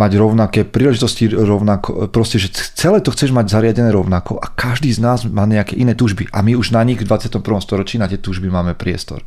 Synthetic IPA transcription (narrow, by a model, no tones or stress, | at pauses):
maɟɾɔʊnakɛːpɾiːlɛʒit̪ɔsciɾɔʊnakɔ̰pɾɔscɛʒɛt͡sɛlɛːt̪ɔxt͡sɛʒmaɟzaɾɪaɟɛnɛːɾɔʊnakɔʔakaʒd̪iːznaːzmaːɲɛakɛ̰ːʔinɛːt̪uːʒbiʔa̰miuʒnaɲiɣvd̪ʋat͡sɪat̪ɔmpɾr̩ʋɔmst̪ɔɾɔt͡ʃiːnat̪ɪɛt̪uːʒbimaːmɛpɾɪɛ̰st̪ɔ̰ɾ